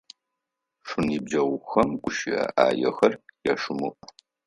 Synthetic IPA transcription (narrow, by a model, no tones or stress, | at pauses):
ʂʷʊniːbd͡ʒɐwxɐmɡʷʊʃɪɐʔaːjɛxɐrjaʂʊmuʔ